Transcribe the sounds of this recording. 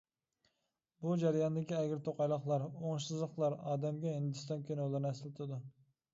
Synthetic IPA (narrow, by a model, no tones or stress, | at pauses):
bud͡ʒæɾjɑnd̪ɪkʲiɛɡʲɪɾt̪ʰoqɑjlˠəχlˠɑɾoŋʃsɨzlˠəqlˠɑɾɑːd̪ɛmɡʲɛɦind̪ɨst̪ɑnkʲʰynlˠɨɾnɛslɪt̪ʰɪd̪u